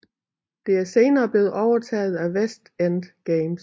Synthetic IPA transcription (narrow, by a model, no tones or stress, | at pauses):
d̥e̝æɐse̝ːnɐːb̥le̝ːð̩ˠɒʊɐt͡sʰɛ̰ːð̞̩ˠæʋesd̥ænd̥ɡ̥eɪms